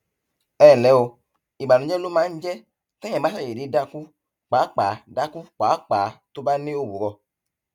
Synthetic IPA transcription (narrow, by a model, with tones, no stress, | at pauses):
ɛ˦˨lɛ˨˦o˧ | i˨ɡ͡ba˨nũ˨˦d͡ʒɛ˦lo˦mãː˨˦n̩˦d͡ʒɛ˦ | t̪ɛ̃˦ɛ̃˨ba˦sa˦˨e˨di˨˦da˧ku˦ | k͡paː˨˦k͡pa˨˦da˦ku˦k͡paː˨˦k͡pa˨˦t̪o˦ba˦nẽ˦o˦˨bu˨ɾɔ˧